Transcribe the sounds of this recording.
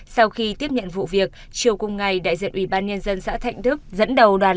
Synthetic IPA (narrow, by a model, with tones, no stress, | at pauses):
sa˧wxi˧t̪i˦˥əp̚ɲə̰˧˨nvṵ˧˨vi˨˩ək̚ | t͡ɕi˨˩əwkʊ˨˧˩ŋ͡mŋa˨˩jɗa̰ː˧˨jzḭ˧˨ənʔwi˧˩ɓaː˧nɲə˧nzə˧nsa̰ː˧˥t̪ʰa̰˧˨jŋ̟t̪ʰɨ˦˥k̚zə̰˧˥nɗə˨˩wɗwaː˨˩